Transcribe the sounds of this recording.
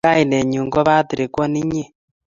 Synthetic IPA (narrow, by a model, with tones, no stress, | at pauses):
a˦i˨nɛ˨ɲu˨ŋɡɔ˦βa˦ti˨ɾi˨kwɔ˦ni˦ɲe˦˨